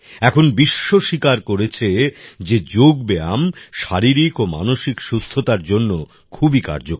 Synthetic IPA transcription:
ɛkʰonbiʃːoʃikaɾkoɾet͡ɕʰed͡ʑed͡ʑoɡ̚beamʃaɾiɾikoma̰noʃikʃust̪ʰot̪aɾd͡ʑonːo | kʰubika̰ɾd͡ʑok

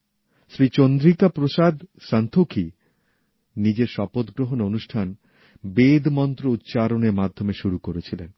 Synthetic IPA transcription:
ʃɾit͡ɕond̪ɾikapɾoʃad̪ʃant̪ʰokʰi | nid͡ʑeɾʃɔpot̪ɡɾoɦononuʃʈʰan | bed̪mɔnt̪ɾout̪ːt͡ɕaɾoneɾmad̪ʱːomeʃuɾukoɾet͡ɕʰilen

